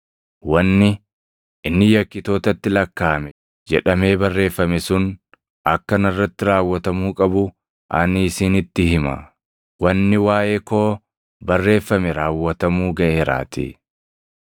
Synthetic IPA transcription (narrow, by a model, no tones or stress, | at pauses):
wɐnːɪ | ɪnːɪjɐkːɪt̪o̞ːt̪ɐt̪ːɪlɐkːaːmɛ | d͡ʒɛᶑɐme̞ːbɐrːe̞ːfːɐmɛsʊn | ɐkːɐnɐrːɐt̪ːɪɾaːwːɐt̪ɐmuːkʼɐbʊ | ʔɐniːsiːnɪt̪ːɪhɪmɐ̰ | wɐnːɪwaːʔe̞ːko̞ː | bɐrːe̞ːfːɐmɛɾaːwːɐt̪ɐmuːɡɐʔe̞ːɾa̰ːt̪ḭː